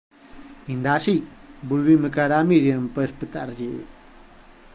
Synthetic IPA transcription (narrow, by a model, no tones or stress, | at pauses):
ind̪asibulwiməkaɾamiɾjəmpəspət̪a̰ɾd͡ʒe